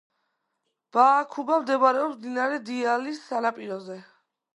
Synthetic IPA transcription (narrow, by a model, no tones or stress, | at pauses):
b̥aːkʰubamd̪ɛbaɾɛɔpsd̪inaɾɛd̪ialisːanapʼiɾɔzɛ